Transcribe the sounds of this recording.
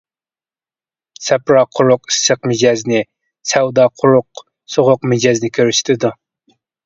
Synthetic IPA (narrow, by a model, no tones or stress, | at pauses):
sɛpɾɑqʰʊɾʊqi̥sːəqmɪd͡ʒɑznɪ | sɛwd̪ɑːqʰʊɾʊq | soʁʊqmɪd͡ʒɑznɪkʲʰøɾyʃɪ̥t̪ʰɪd̪u